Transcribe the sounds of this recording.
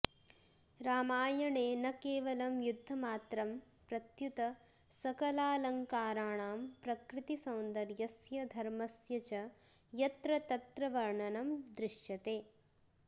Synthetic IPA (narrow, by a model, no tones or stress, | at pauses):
ɾaːmaːjɐɳeːnɐkeːʋɐlɐmjud̪ʱːɐmaːt̪ɾɐm | pɾɐt̪jut̪ɐ | sɐkɐlaːlɐŋkaːɾaːɳaːmpɾɐkɾɪt̪isɐwnd̪ɐɾjɐsjɐd̪ʱɐɾmɐsjɐt͡ʃɐjɐt̪ɾɐt̪ɐt̪ɾɐʋɐɾɳɐnɐmd̪ɾɪʂjɐt̪eː